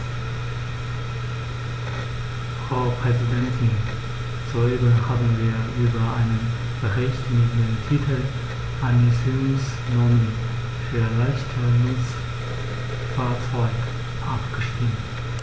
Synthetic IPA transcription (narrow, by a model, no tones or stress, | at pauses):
fʁ̥aʊpʁ̥ɛzidɛntʰɪn | zoeːbɐhaːbm̩viːɐʔyːbɐʔaɪnən | b̥əʁɛçtmɪdentʰiːtʰl̩ | ʔaɪnɪsɪʊms | nɔmən | fyːɐlaɪçtʰənʊt͡s | faːɐt͡sɔʏk | ʔapɡ̥əʃtiːm